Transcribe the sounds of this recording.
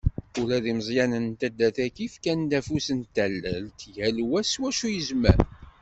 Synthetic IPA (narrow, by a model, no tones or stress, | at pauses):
uɾæðiməzˤjænənt̪æd̪ːæθækifkænd̪æfusənt̪ælːəlt̪jælwæswæʃujəzmæ̰ɾ